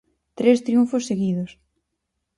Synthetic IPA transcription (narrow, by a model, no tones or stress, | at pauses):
t̪ɾest̪ɾiuɱfosːeɣiðos